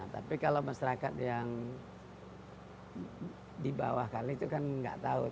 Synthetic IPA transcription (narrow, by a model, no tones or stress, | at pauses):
at̪a̰pikalawmasaɾakat̪jaŋ | diba̰wahkalit̪ukanŋɡa̰ʔt̪au